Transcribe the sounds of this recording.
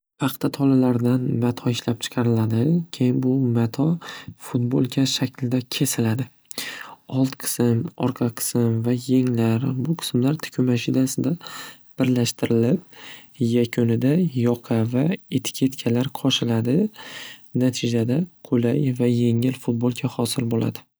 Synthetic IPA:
pʰɑqt̪ʰat̪ʰɒlalaɾd̪anmat̪ʰɒɪʃlap̚t͡ʃʰɨ̥qʰɑɾɪlad̪ɪkʲʰejɪnbʊmat̪ʰɒfʊt̪̚bolˠkʲʰaʃakʲlɪd̪akʲʰe̞sɪlad̪ɪ | ɒlˠt̪qʰɨ̥sɪmɒ̰ɾqʰɑqʰɨ̥sɪmvajeŋlaɾbʊqʰɨ̥smlaɾt̪ʰɪ̥kʲʰʊmaʃinasɪd̪a | b̥ɪɾlaʃt̪ʰɪɾɪlɪpjakʰʲonɪd̪ajɒqʰɑvae̞t̪ʰɪ̥kʲʰe̞t̪kʲʰalaɾqʰɒʃɪlad̪ɪ | nat̪ʰɪd͡ʒad̪aqʰolajvaje̞ŋɪlfʊt̪̚bolˠkʲʰahɒsɪlbola̰d̪ɪ

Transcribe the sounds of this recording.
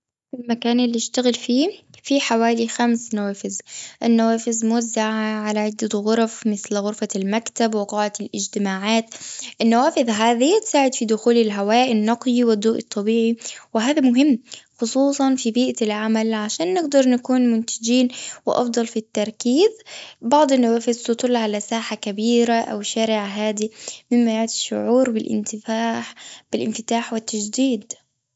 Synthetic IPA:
ɪlmakaːnɪlːiɪʃt̪aɣɪlfiːfiħawaːlixamsnawaːfɪzʔɪnːawaːfɪzmʊwazːaʕʕalaʕɪd̪ːat̪ɣʊɾˤfmɪθlɣʊɾfalmakt̪abwɪqɑːʕalʔɪd͡ʒt̪ɪmaːʕaːt̪ʔɪnːawaːfɪðɦaːðit̪saːʕɪd̪fid̪ʊxuːlɪlɦawaːʔɪnːɑqjiwɪd̪ːuːʔɨ̰t̪ˤːɑbiːʕiwɪɦaːðamʊɦɪmːxʊsˤuːsˤɑnfibiːʔalʕamalʕaʃaːnːɪɡd̪ɑɾˤnakuːnmʊnt̪ad͡ʒiːnwɪʔɑ̰fd̪ˤɑlfit̪ːɑɾˤkiːzbɑʕd̪ˤɪnːawaːfɪðt̪ɨt̪ˤʊlːʕalasaːħakabiːɾaʔa̰wʃaːɾɪʕɦaːd̪imɪmːajaʕt̪ɪ̥ʃːʊ̰ʕuːɾbɪlʔɪ̰nt̪ɪfaːħb̥ɪlʔɪnfɪt̪aːħwɪt̪ːad͡ʒd̪iːd̪

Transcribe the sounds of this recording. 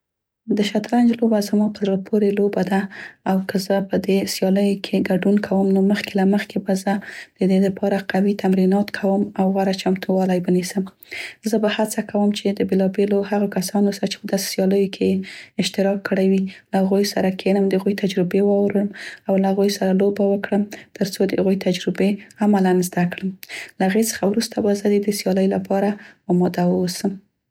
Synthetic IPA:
d̪əʃat̪ɾand͡ʒlobazəmɑpəzapʰoɾelobad̪aːwkʰəzəpəd̪esjɑləjokʰeɡaɖunkʰawəmnoməxkelaməxkebazəd̪̥əd̪ed̪əpʰɑɾaqawit̪amɾinɑt̪kʰawəmawɣaɾat͡ʃamt̪ʰuwɑlajwənisəm | zəbahat͡sakawəmt͡ʃed̪əbelɑbelohaɣokasɑnosaɾat͡ʃe̥pəd̪ɑse̥sjɑləjokʰeeɪʃt̪ɪɾɑkːəɽajwilahaɣujsaɾakʰenəmd̪əaɣujt̪ʰad͡ʒɾɪbewɑwɾəmawlahaɣujsaɾalobawəkɽəmt̪əɾt͡sod̪əhaɣujt̪ad͡ʒɾɪbeamalanzd̪akɽəmlaaɣet͡sə̥xawɾust̪abazəd̪ed̪əsjɑləjlapʰɑɾaɑmɑd̪awəsəm

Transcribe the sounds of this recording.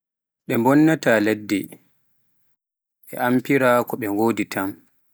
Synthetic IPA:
ɗɛmbɔnːataːledːi | ɓɛ̰ʔampiɾaːkɔɓɛŋɡoːditʰam

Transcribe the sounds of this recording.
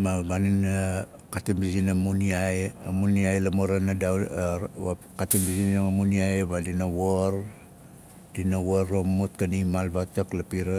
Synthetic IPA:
maɡanina | katimbisinamuniajamuniajlamoɾanada | a | katimbisinmuniajβadinawoɾ | dinawoɾomut̚kanimalβataklapiɾa

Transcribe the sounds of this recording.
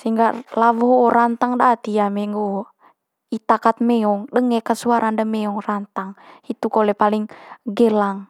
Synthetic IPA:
siŋɡalawɔɦoːɾant̪aŋdat̪iamɛŋɡo | it̪akat̪̚mɛɔŋdəŋɛkəsuaɾandəmɛɔŋrant̪aŋit̪ukɔlɛpaliŋɡɛlaŋ

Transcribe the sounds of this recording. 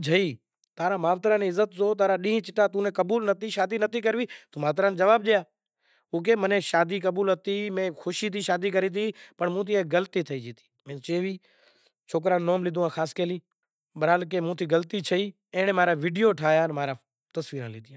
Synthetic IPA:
d͡ʒʱəiː | t̪aːɾãːmaːʋt̪ɾãːneːɪzːət̪zoːt̪̬aːɾaːɗĩːɦĩt͡ʃɪʈaːt̪uːnẽːkəbuːlnət̪iːʃaːd̪iːnət̪iːkəɾʋiːt̪uːmaːʋt̪ɾãːnːd͡ʒəʋaːb̚ɗɪjaː | ʊːk̬eːmənẽːʃaːd̪iːkəɓuːlɦət̪iːmẽːxʰʊʃiːt̪iːʃaːd̪iːk̬əɾiːt̪̬ʰiːpəɳmũːt̪̬ʰiːeɡələt̪iːt̪ʰəiːd͡ʒiːt̪i̥ːmẽːt͡ʃeːʋiː | t͡ʃʰoːk̬ɾãːnːoːmlɪːd̪uːãːxʰaːskeːliː | ɓəɾaːlk̬eːmũːt̪ʰiːɡəlt̪iːt͡ʃʰəiː | ẽːɳ̃ẽːmaːɾaːʋiːɖijoːʈʰaːjaːnmaːɾaː | t̪əsʋiːɾãːliːd̪ijã

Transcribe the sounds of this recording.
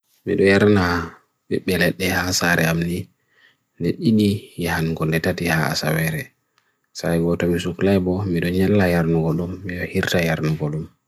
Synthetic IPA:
mḭɗɔjaɾna | ɓɛɓːɛlɛɗːɛhasaɾʔɛamni | ndɛɗiɗijahanɡɔndɛtatihaa̰sawɛɾɛ | sajɡɔtɔmisuklajbɔmiɗɔɲɛlːajaɾnuɡɔɗumːiɗɔhiɾtajaɾnuɡɔɗum

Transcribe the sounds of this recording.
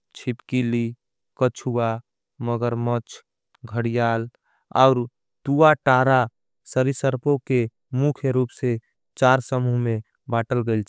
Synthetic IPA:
t͡ʃʰɪpkili | kət͡ʃʰua | məɡəɾmət͡ʃʰ | ɡʱəɽijaːl | ɔ̰ːɾ | t̪uːaʈaːɾa | səɾisəɾpõke | mukʰjəɾuːpse | t͡ʃaːɾsəmuɦmẽ | baːʈəlɡəil

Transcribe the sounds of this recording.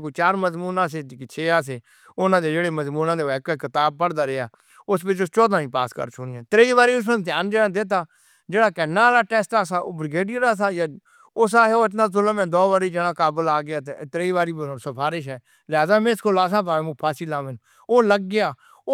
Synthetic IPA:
kot͡ʃaːɾməzmuːnãːs̬eːd̪kt͡ʃʰeːaːs̬eː | ʊnãːd̪eːd͡ʒeːɽeːməzmuːnãːd̪eːʋɛːkəkɪt̪aːb̚pəɽd̪aːɾeaː | ʊspɪt͡ʃʊst͡ʃɔːd̪ãːĩːpa̰ːskə̰ɾt͡ʃʰonːɛ̃ːt̪ɾeːiːʋaːɾiːʊs̬mə̃d̪jaːnd͡ʒeːɽaːd̪ɪt̪̬aː | d͡ʒeːɽaːkɛnːaːlaːʈɛːsʈaːsaːʔoːbɾɪɡeːɖiɾaːsaːjaː | ʊsaːɦɛoːɪt̪naːzʊləmɛ̃ːd̪ɔːʋəɾiːd͡ʒeɽaːkaːbəlaːɡɪjaːt̪et̪ɾeːiːʋaːɾiːbsəpʰaːɾɪʃ̬ɦɛː | lɪɦaːzaːmɛ̃ːɪskoːlaːs̬ãːpaːeːmũːpʰaːsiːlaːmɛ̃ːnː | oːləɡːɪjaː | o

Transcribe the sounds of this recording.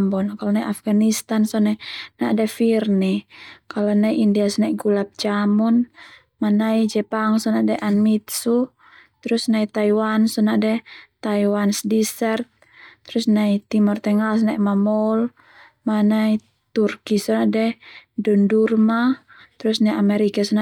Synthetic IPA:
mbɔnkalɔnaiʔafɡanist̪ansɔnɛnaʔdɛfirnɛkalɔnaiʔindiasnaɡulap̚d͡ʒamun | manaid͡ʒɛpaŋsɔnaʔdɛʔanmit̪su | t̪ɾusnait̪aiwansɔnaʔdɛt̪aiwansdisɛrt̪̚ː | ɾusnait̪imɔrt̪ɛŋals̬naʔmamɔl | manai | t̪urkisɔnaʔdɛdundurma | t̪ɾusnaiamɛɾikasɔna

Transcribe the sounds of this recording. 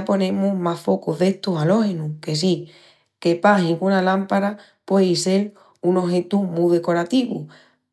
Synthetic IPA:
po̞nẽ̞mumafo̞kuðe̞ht̪usalo̞henuke̞s̬i | ke̞paɦiŋkunalampaɾa | pwe̞ise̞l | uno̞ɦe̞t̪umũðe̞ko̞ɾat̪iβṵ

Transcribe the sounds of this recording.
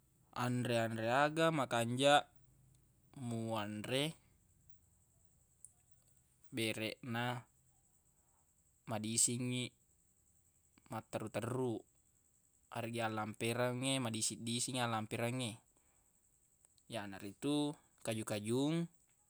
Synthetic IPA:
andɾeanɾeaɡamakaɲd͡ʒaʔ | muanɾe | beɾɛʔna | madisiŋːi | mat̪ːaɾut̪ərːu | ʔa̰ɾiɡialːampeɾaŋːemadisidisiŋalːampeɾaŋːe | janaɾit̪u | kad͡ʒukad͡ʒuŋ

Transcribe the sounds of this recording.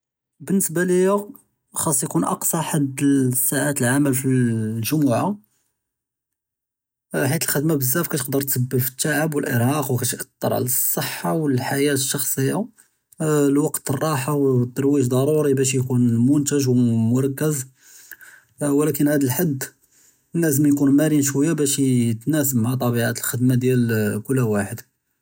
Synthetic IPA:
bənːəsbaləjæ | xɑsˤːjkunʔɑ̰qsˤɑħad̪sːaʕat̪əlʕaməlfillʒʊmuʕa | ħit̪əlxəd̪mabəzːæfkæt̪əqd̪əɾˤt̪səbːəfə̥t̪ːaʕəbwəlʔə̰ɾhɑqwkæt̪ʔət̪ːɑɾˤʕa̰ləsˤːəħːɑwəlħajæt̪əʃːɑxsˤəjːa | lwɑqt̪ərˤːɑħawt̪ːɑɾˤwiʒd̪ˤɑɾˤuɾibæʃ̬jkunmʊnt̪əʒwmʊɾˤɑkːəz | wlækənhæd̪əlħad̪ː | nːæzəmjkunmæɾinʃwæjːabæʃt̪næsəmmaʕat̪ˤɑbiʕat̪əlxəd̪mad̪jælkʊlːæwaħəd̪

